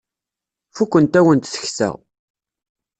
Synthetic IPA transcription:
fukʷːənt̪æwənt̪θə̥çsæ̰ʁ

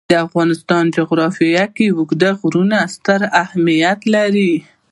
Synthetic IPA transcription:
d̪̥əafɣɑnɪst̪ɑnd͡ʒʊɣɾɑfijakiwʊɡd̪aɣɾunast̪əɾahmijat̪laɾi

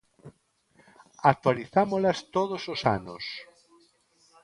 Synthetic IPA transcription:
ak̚t̪waliθamolast̪oðososa̰no̰s

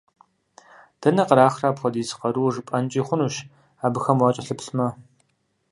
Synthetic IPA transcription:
d̥ɐnɐqəɾaːxraːpxʷɔdiːzɨ̥qɐɾuːʐɨpʼɐnt͡ʃʼiːχʷʊnuːʃ | aːbɨxɐmwɑt͡ʃʼɐɬɨpsmɐ

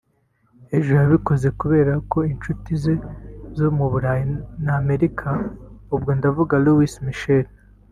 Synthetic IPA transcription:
eʒujaβiko̞ze̞kuβe̞ːɾako̞int͡ʃutize̞zomuβuɾaːjinaːme̞ɾikʰaub̚ɡo̞ndavuɡaluwismiʃel

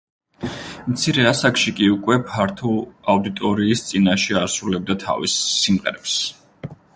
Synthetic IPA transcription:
mt̪sʰiɾɛasakʃikʼiukʼwɛpʰaɾt̪ʰuaud̪it̪ʼɔɾiːst̪sʼinaʃɛaɾsɾulɛb̚d̪at̪ʰa̰vḭsːimʁɛ̰ɾɛps

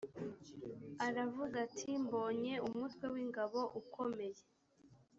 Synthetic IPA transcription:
aɾavuɡatʰimbo̞ːɲe̞umutwe̞wiːŋɡaβo̞ʔukʰo̞me̞je̞

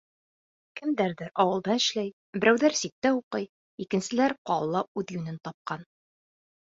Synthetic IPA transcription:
kɘ̆md̪æɾðɘɾʔɒwɤ̆lˠd̪ɑɘ̆ʃlæj | bɘ̆ɾæwðæɾsik̚t̪æuqɤj | ikɘ̆nsɘ̆læɾqɑ̰lˠːɑʉðjʉnɘnt̪ɑp̚qɑn

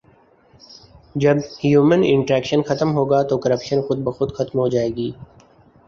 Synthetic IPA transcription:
d͡ʒɐbhjuːmənɪ̰̃ɳʈɾɛːkʃənxɐt̪mɦoːɡaːt̪okɐɾəpʃənxʊd̪̚bɐxʊd̪xɐt̪mɦoːd͡ʒaːeːɡiː

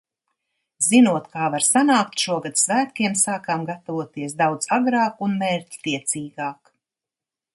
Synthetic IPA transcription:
z̥inuɔt̪kaːvaɾsanaːkt̪ʃuɔɡad̪svæːt̪̚kiɛmsaːkaːmɡat̪avuɔt̪iɛs̬d̪awd̪z̥aɡɾɑːkunmɛːɾct̪iɛt̪siːɡaːk

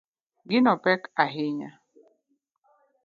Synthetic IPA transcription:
ɡinɔpɛkaɦiɲa

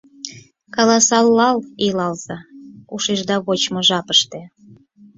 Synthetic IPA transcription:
kɑlɑsɑlːɑlilɑlz̥ɑuʃeʒd̪ɑβot͡ɕmoʒɑpəʃt̪e

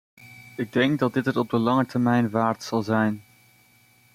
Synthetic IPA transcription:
ɪɡ̚dɛŋkɡdɑd̚dɪtətɔb̚dəlɑŋətəɹmɛjnʋaːɹtsɑlˠzɛjn

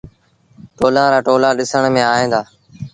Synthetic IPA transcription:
ʈoːlãːɾaːʈoːlaːɗɪsəɳ̃mẽːaːɦẽːnd̪aː

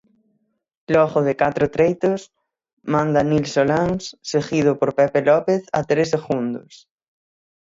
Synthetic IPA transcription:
lɔɣoðekat̪ɾot̪ɾejt̪os | mãnd̪anilsolaŋsseɣið̞opoɾpepelɔpeθɐ̰t̪ɾeseɣũnd̪o̰s

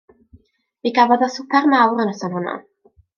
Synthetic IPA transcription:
viɡavɔðɔsʊpʰarmawɾənɔsɔnhɔnɔ̰

